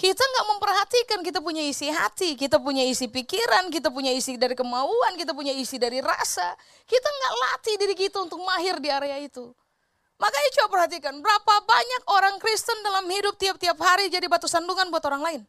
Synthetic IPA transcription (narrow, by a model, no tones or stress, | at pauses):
kit̪aŋɡaʔməmpərɦat̪ikankit̪apuɲaisiɦa̰t̪ikit̪̬apuɲaisipikiɾank̬it̪̬apuɲaisidaɾikəmauankit̪ap̬uɲaisidaɾiɾa̰sa | kit̪aŋɡaʔla̰t̪idiɾikit̪aunt̪ʊk̚maɦɪrdiaɾeait̪u | makait͡ʃuapərhat̪̬ikanbəɾapabaɲak̚oɾaŋkɾist̪əndalamhidʊp̚t̪iap̚t̪iaphaɾid͡ʒadibat̪usanduŋanbuat̪oɾaŋlaɪn